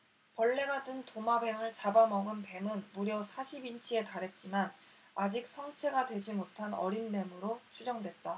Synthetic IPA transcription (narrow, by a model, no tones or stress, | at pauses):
pʌɭːe̞ɡadɯntomabe̞ŋɯɭt͡ɕabamʌɡɯnpe̞mɯnmuɾjʌsʰaɕʰibint͡ɕʰie̞taɾɦe̞t̚t͡ɕ͈iman | ad͡ʑik̚s͈ʰʌŋt͡ɕʰe̞ɡadwe̞d͡ʑimotʰanʌ̰ɾinme̞mɯɾot͡ɕʰud͡ʑʌŋdwe̞t̚t͈a